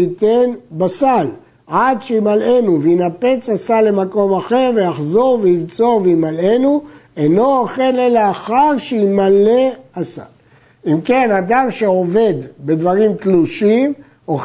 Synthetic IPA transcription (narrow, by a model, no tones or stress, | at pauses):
it̪e̞nbasal | ad̪ʃeimale̞nuveinape̞t͡sasalːe̞mako̞maχe̞ʁvejaχzo̞ʁveilt͡so̞vimale̞nue̞no̞aχenelaːχaʁʃeimale̞asa̰l | imke̞nad̪amʃe̞o̞ve̞d̪be̞d̪vaʁimkluʃim | o